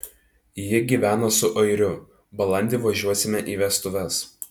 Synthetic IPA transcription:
jɪɡʲiːʋʲæːnɐsʊʔɐɪɾʲʊ | bɐlˠɐnʲd̪ʲɪʋɐʒʲuɔsʲɪmʲɛʔiːʋʲɛst̪ʊʋʲɛs

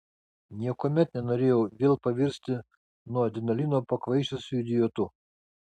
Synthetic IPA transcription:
nʲiɛkoːmʲɛt̪nʲɛnoːɾʲeːjɛʊʋʲeːlˠpɐʋʲɪɾʲsʲt̪ʲɪ | nuɔd̪ʲɪnɐlʲinoːpɐkʋɐɪʃʲʊsʲʊd̪ʲɪjoːt̪ʊ

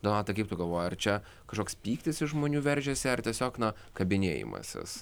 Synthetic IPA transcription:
d̪onɑːt̪ɐɪkɐɪp̚t̪ʊɡɐlˠʋoːjɐrt͡ʃʲɛ | kɐʃkoːkspʲiːkt̪ʲɪsɪʃʒmoːnʲuːʋʲɛɾʲʒʲɛsʲɪɐrt̪ʲiɛsʲoːknɐ | kɐbʲɪnʲeːjɪ̰mɐ̰sʲɪ̰s

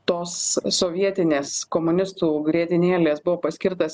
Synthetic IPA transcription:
t̪oːsːoːʋʲiɛt̪ʲɪnʲeːskoːmʊnʲɪst̪uːɡɾʲiɛt̪ʲɪnʲeːlʲeːsbʊʋoːpɐsʲkʲɪɾt̪ɐs

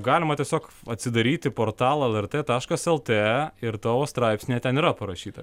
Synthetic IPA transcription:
ɡɑːlʲɪmɐt̪ʲiɛsʲoːkɐt̪ʲsʲɪd̪ɐɾʲiːt̪ʲɪpoːɾt̪ɑːlˠɐɛlʲˠɛrt̪eːt̪ɑːʃkɐsɛlˠt̪eɛɪɾt̪oːʋoːst̪ɾɑɪpʲsʲnʲeːt̪ʲɛniːɾɐpɐɾɐʃʲiːt̪ɐ

